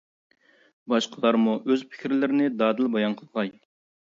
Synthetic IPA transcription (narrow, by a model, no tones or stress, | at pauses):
bɑʃqʰəlˠɑɾmuʔøzpʰɪ̥kʲʰɾlɪɾɪnɪd̪ɑːd̪ɨlˠbɑjɑnqʰəlˠʁɑj